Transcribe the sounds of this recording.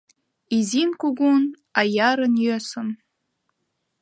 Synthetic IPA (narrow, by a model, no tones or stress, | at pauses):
izinkuɡun | ajaɾənjøsəm